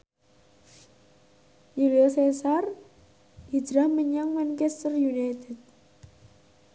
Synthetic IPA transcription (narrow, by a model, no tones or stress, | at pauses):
juliosesar | ʔi̥d̥ɾahməɲaŋmɛnkɛst̪ərjunajt̪ɛt̪̚